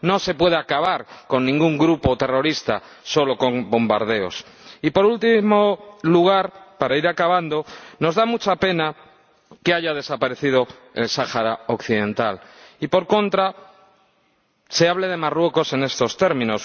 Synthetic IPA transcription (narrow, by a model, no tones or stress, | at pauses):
no̞se̞pwe̞ð̞eakaβ̞aɾko̞nːĩŋɡuŋɡɾupo̞t̪e̞ro̞ɾist̪a | so̞lo̞ko̞ŋbo̞mba̰ɾð̞e̞o̞̰s | ipo̞ɾult̪imoluɣ̞aɾpaɾaiɾakaβ̞and̪o̞no̞zðamut͡ʃape̞na | keaʝað̞esapaɾe̞θið̞o̞ | e̞̰lsaxaɾaokθiðẽ̞nt̪alipo̞ɾko̞nt̪ɾa | se̞aβleð̞e̞marwe̞ko̞se̞ne̞st̪o̞st̪e̞ɾmĩno̞s